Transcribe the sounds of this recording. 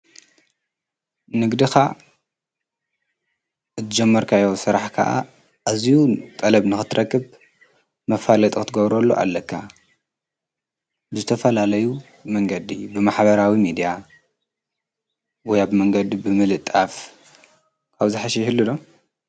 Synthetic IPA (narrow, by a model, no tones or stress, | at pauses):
nɨɡd̪ixa | ʔɨt̪ʰɨd͡ʒɛmːɐɾkʰajosɨɾaħkʰa̰ʔa̰ | ʔːzijut̪ʼɐlɐβnɨxɨt̪ʰːɨɾʔɐkːɨβ | mɐfalɐt̪ʼkɨt̪ʰɨɡɐβɾolːoʔa̰lːɐkʰːa | bɨzɨt̪ʰɐfɐlalɐju | mɐŋɡɐd̪ibɨmaħβɐɾawimid̪ija | wɔjabɨmɐŋɡɐd̪ibɨmɨlɨt̪ʼːaf | kʰaβzɨħaʃɛjhɨlːud̪o